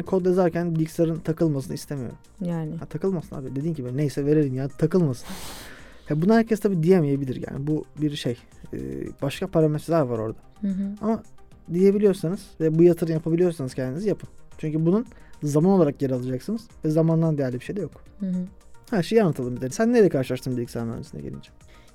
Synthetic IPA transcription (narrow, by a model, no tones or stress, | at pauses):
ankʰo̞d̪ezæɾcʰænd̪icsaɾɯnt̪ʰakɯlˠmas̬ɯnɯist̪ʰe̞mijo̰ɾumjaːnɪhɛt̪ʰakɯlˠmasɯna̰bid̪ed̪iːncʰibinejsɛve̞ɾeɾinjaːnit̪ʰakɯlˠmasɯnahɛbunanhæɾcʰest̪ʰabiːd̪ijemije̞bilʲiɾja̰ːnibubiɾʃej | ɯ̰ːb̥aʃkʰapʰaɾamɛt̪ɾd̪aɾvaɾo̞̰ɾd̪aama | d̪ije̞bilʲijo̞ɾsanɯz̥vɛbujat̪ʰɯɾɯmjapʰabilʲijo̞ɾsanɯzcʰɛnd̪inizijapʰɯnt͡ʃʰyɲcybununzamanolˠaɾak̚ɟeɾalˠad͡ʒaksɯnɯz̥vɛzamand̪and̪ejæɾlʲibiʃejd̪ɛjok | hæɾʃe̞jianːat̪ʰalˠɯmd̪d̪einsænːeɾelʲɛkʰaɾʃɯlˠaʃt̪ʰɯmd̪ed̪icsɛnmɛɾ̰nesinɛ̰ɟelʲḭnd͡ʒɛ